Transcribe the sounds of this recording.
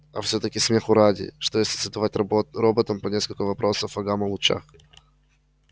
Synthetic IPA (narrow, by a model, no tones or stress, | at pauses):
ɐ̰fsʲot̪əkʲɪsʲmʲexʊɾadʲɪ̰ʂt̪ojesʲlʲɪ̥səd̪ɐvatʲɾobət̪əmpɐnʲeskəlʲkəvɐpɾo̞səfɐɡamɐlˠʊt͡ɕa̰x